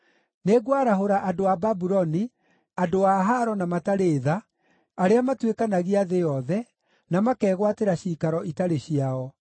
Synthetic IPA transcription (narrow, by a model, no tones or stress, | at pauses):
neɡwaɾaɦoɾaʔadoababuɾɔni | adoaɦaɾɔnamataɾeːðaː | ɾeamatwekanaɣiaðejɔðɛ | namakɛːɣwateɾaɕikaɾɔʔitaɾeɕiaɔ